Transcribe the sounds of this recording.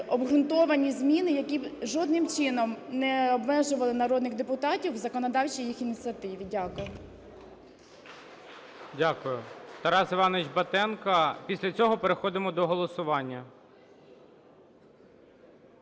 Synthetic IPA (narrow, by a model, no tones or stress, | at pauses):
ɔbɦɾʊnt̪ɔʋɐnʲizʲmʲinɪjɐkʲiʒɔd̪nɪmt͡ʃɪnɔmnɛɔbmɛʒʊʋɐlˠɪnɐɾɔd̪nɪɣd̪epʊt̪ɑtʲiwzɐkɔnɔd̪ɑwt͡ʃijixinʲit̪t͡s̪ʲiɐt̪ɪʋʲidʲakʊjʊ | dʲakʊjʊt̪ɐɾɑsɪʋɑnet͡ʃbɐt̪ɛnkɐpʲisʲlʲɐt͡sʲɔɦɔpeɾexɔd̪ɪmɔd̪ɔɦɔlˠɔsʊʋɑnʲːɐ